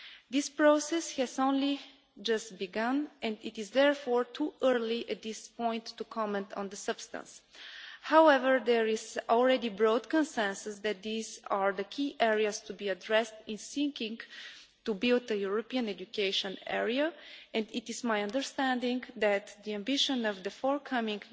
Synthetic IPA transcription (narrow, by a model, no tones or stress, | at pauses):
d̪ɪspɹosɛshɛzõʊ̃nli | d͡ʒʌst̪̚biɡʌ̃nɛ̃ndɪt̪ɪzðɛɹfɔɹt̪ʰuʔəɹliʔɛt̪̚d̪ɪspɔ̃ɪ̃ntːukʰɔmɛ̃nt̪ʰɔ̰̃nd̪əsʌb̥st̪ə̰̃ns | hawɛvəɹd̪ɛɹɪzɔlˠɹɛdibɹod̪kə̃nsɛ̃nsɨsd̪ɛt̪̚d̪izaɹðəkʰiʔɛɹiast̪ubiədɹɛst̪ɪ̃nsɪ̃ŋkɪ̃ŋɡ | tubilˠd̪əjuɹɔpiə̃nɛd͡ʒukeɪʃə̃nɛ̰ɹiaɛ̃ndɪt̪ɪzmajʌ̃ndə˞st̪æ̃ndɪ̃ŋðæt̪d̪iæ̃mbɪʃə̃nʌvðəfɔɹkʰʌmɪ̃ŋɡ